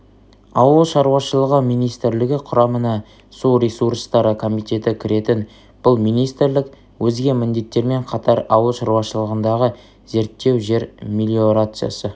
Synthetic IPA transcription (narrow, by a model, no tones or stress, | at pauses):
ɑwəlˠʃɑɾuwɑʃəlˠəʁəmijnijst̪ɪɾlɪɡʲɪqʰʊɾɑmənɑ | suɾʲesuɾst̪ɑɾəkʰo̞mijt̪e̞t̪ɪkʲʰɪɾʔe̞t̪ɪn | b̥ʊlˠmijnijst̪ɾlɪk | wɵzɡʲe̞mɪnd̪e̞t̪ːe̞ɾme̞ɴqʰɑt̪ʰɑɾɑwəlˠʃɑɾwɑʃəlˠəʁənd̪ɑʁə | ze̞ɾt̪ːe̞wʒe̞ɾmʲilʲio̞ɾat̪sɨja̰sə